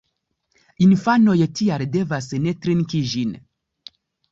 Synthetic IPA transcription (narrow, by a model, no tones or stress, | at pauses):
infano̞jtialde̞vasne̞tɾenkid͡ʒin